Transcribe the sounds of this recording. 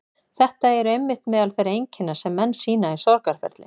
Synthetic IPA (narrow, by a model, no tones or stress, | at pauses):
θɛht̪aɛɾʏɛmːɪht̪nmɛːðalθejɾejɲcɪnːasɛmːɛnːsiːnaɛɾ̥sɔɾkaɾ̥fɛ̰ɾt̪lɪ̰